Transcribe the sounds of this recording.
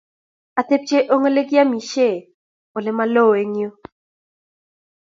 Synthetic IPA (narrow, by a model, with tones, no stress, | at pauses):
a˨t̪e˦p̚t͡ʃe˦ʔo˦ŋo˦le˦ɡja˦mi˨ʃe˦˨ | o˨lɛ˨˦ma˦lo˦˨e˨ɲjo˦